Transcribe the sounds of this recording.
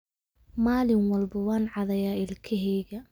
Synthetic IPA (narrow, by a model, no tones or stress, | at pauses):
maːlɪnwɐlbɐwɑːnʕɑðɐjaːɪlkʰɛɦɛːɣɐ